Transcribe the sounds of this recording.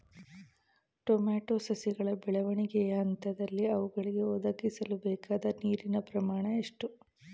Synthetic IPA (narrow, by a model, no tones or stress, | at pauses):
ʈomaːʈoːsɐsiɡɐɭɐbɛɭɐʋɐɳiɡɛjɐɐnt̪ɐd̪ɐlːiɐʋuɡɐɭiɡe̞ɔd̪ɐɡisɐlubɛːkaːd̪ɐniːɾinɐpɾɐmaːɳɐeʂʈu